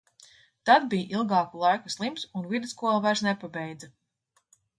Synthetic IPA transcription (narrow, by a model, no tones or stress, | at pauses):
t̪ad̪̚bijʔilˠɡɑːkulˠajkaslˠimsunvid̪skuɔlˠavæɾsnɛpabɛjd̪za